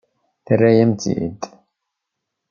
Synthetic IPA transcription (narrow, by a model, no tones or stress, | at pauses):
θərːæjæmt̪ḭd̪